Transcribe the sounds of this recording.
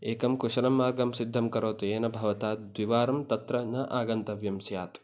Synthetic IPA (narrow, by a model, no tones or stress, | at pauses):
ʔeːkɐmkʊʃɐlɐmːaːɾɡɐmsɪd̪ʱːɐmkɐɾoːt̪eːnɐbʱɐʋɐt̪aːd̪wɪʋaːɾɐmt̪ɐt̪ɾɐnɐʔaːɡɐnt̪ɐʋjɐmsɪjaːt̪